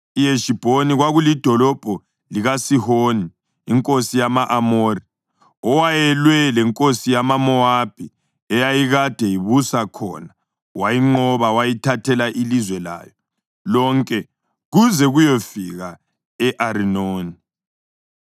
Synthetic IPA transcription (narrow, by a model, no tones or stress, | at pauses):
ijeʃib̥ʱoniɣwaɣulid̥ʱɔlɔb̥ʱɔ | liɣasihoniː | ŋkʼosijamaʔamori | ɔwajɛlwɛlɛŋkʼosijamamɔab̥ʱi | ɛjajiɣad̥ʱɛjiβusakʰɔ̰na | wajiŋ͡ǃɔβawajitʰatʰɛlaʔilizwɛla̰ːjɔ | lɔŋkʼɛ | ɣuzɛɣujɔfiɣa | ɛʔaɾinoːni